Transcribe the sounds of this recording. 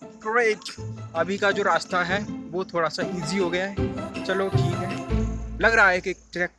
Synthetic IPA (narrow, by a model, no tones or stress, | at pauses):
ɡɾeːʈɐbʱikad͡ʒoːɾaːst̪aɦɛʋot̪ʰoːɽasaʔiːziɦoɡɐjaɦɛt͡ʃɐloʈʰiːkɦɛːlɐɡɾaɦaɦɛkek̚ʈɾɛk̚